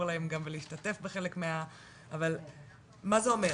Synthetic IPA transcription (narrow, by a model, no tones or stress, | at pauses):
ʁlaemɡamveliiʃtate̞fbeχe̞lekmea | aval | mazeo̞me